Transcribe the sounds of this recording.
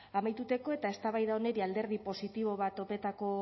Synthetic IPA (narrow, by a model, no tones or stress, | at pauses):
amajt̪ut̪e̞ko̞e̞t̪ae̞st̪aβajðaone̞ɾiald̪e̞ɾð̞ipo̞sit̪iβ̞o̞β̞at̪o̞pe̞t̪ako̞